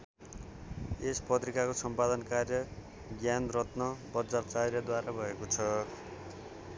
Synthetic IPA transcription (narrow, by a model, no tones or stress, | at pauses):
espʌt̪rikakosʌmpad̪ʌnkarjʌ | ɡjanrʌt̪nʌbʌd͡zart͡sarjʌd̪waɾabʱʌekot͡sʰʌ